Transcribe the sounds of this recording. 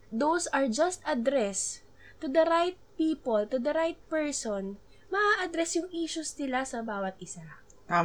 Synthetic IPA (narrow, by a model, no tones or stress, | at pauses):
d̪owsɐɹd͡ʒɐst̪ɐd̪ɾɛs | t̪ʊd̪ɐɾajt̪̚piːpolt̪ʊd̪ɐɾajt̪̚pɛɹsɔn | mɐʔaʔɐd̪ɾɛsjʊŋʔiːʃʊsnɪlasɐbaːwɐt̪̚ʔɪsa | t̪a